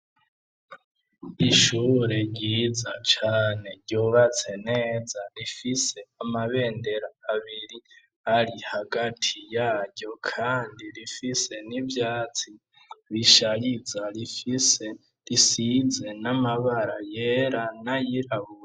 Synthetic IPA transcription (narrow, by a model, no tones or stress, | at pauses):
iʃuːɾe̞ɾɟiːzat͡ʃaːne̞ɾɟuːβat͡se̞ne̞ːzaɾifise̞amaβe̞ːnde̞ɾaːβiɾi | haɾihaɡatʰijaːɾɟo̞kʰaːndiɾifise̞nivjaːt͡si | βiʃaɾizaɾifise | ɾisize̞namaβaɾajeɾanajiɾaβuɾa